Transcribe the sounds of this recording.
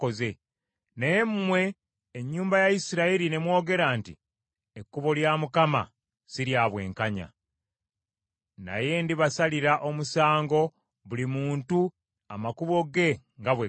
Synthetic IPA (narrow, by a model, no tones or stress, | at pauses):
oze | nejemumwe̞ː | ɲːuːmbajaisiɾaiɾine̞mwo̞ːɡe̞ɾaːnti | ekːuβo̞ljamukama̰ | siɾjaβwe̞̰ːŋkaɲa̰ | na̰je̞ndiβasaliɾaʔo̞musaːŋɡo̞ | βulimuːntu | amakuβo̞ɡe̞ŋɡaβwe